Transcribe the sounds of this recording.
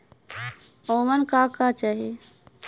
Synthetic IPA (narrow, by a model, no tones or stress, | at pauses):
omənkakat͡ʃaɦi